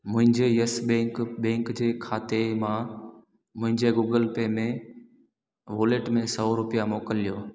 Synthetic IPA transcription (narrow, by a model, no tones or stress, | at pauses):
mʊ̃ɦɪ̃ɲd͡ʑejəsɓẽːkɓɛ̃ːŋkd͡ʑeːkʰaːt̪emã | mʊ̃ɦɪ̃ɲd͡ʑeɡuːɡəlpeːmẽ | ʋoːleːʈmẽsɔɾʊpijamoːkəlijoː